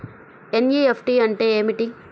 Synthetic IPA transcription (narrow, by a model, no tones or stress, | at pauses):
enjiepʰʈiɐɳʈeemiʈi